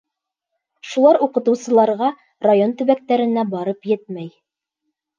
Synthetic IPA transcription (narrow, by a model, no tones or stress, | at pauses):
ʃulˠɑɾuqɤ̆t̪ɤ̆wsɤ̆lˠɑɾʁɑ | rajont̪ɵ̆βæk̚t̪æɾɘ̆næbɑɾɤpjɘt̪̚mæj